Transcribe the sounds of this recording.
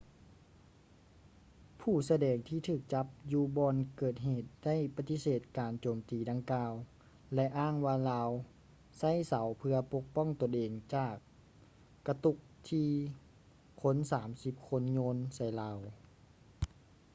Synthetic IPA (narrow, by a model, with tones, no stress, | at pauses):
pʰuː˧˩sa˧dɛː˨˩ŋt̪ʰiː˧˩t̪ʰɯː˧˩k̚t͡ɕa˧˦˥p̚juː˧bɔː˧nkɤː˨˩t̪̚ɦeː˨˩t̪̚da˥˨jpa˧t̪i˧˥seː˨˩t̪̚kaː˨˩nt͡ɕoː˨˩mt̪iː˨˩da˧ŋkaː˧w | lɛ˧ʔaː˥˩˨ŋwaː˧laː˧w | sa˥˩jsa˩˦wpʰɯ˧ɐpo˧˥k̚pɔ˥˨ŋt̪o˧˩˨nʔeː˨˩ŋt͡ɕaː˧˨˩kː | a˧t̪u˧˥k̚t̪ʰiː˧ | kʰo˧˥˨nsaː˩˦msi˧˦p̚kʰo˧˥nɲoː˧˥nsa˧˩jlaː˧˩w